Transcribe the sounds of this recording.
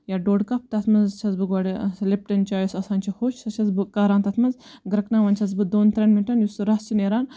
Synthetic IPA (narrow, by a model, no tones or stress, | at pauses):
jaːɖoːɖkɐp̚t̪ɐt̪ʰmɐzt͡ʃʰɐzbɨɡɐɽislep̚ʈɐnt͡ʃaːjusɐsaːnt͡ʃʰihoːt͡ʃʰɐt͡ʃʰɐzbɨkaːɾaːnt̪ɐt̪ʰmɐzɡɾɐknaːʋɐnt͡ʃʰɐzbɨd̪oːnt̪ɾʲɐnmiʈɐnjusɨɾɐst͡ʃʰineːɾaːn